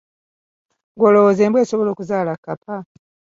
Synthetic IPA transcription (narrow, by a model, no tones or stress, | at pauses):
ŋɡwoloozeːmbwe̞ːsoβo̞lo̞ːkuzaːlakːapʰa